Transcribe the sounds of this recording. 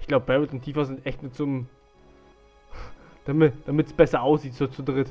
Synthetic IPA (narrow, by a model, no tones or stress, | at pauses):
ʔɪçɡ̥laʊbəb̥ɛʁɪltʊntʰiːfɐzɪntʔɛçtnʊt͡sʊm | d̥amɪd̥amɪtsb̥ɛsɐʔaʊsz̥iːtsot͡sʊdʁɪt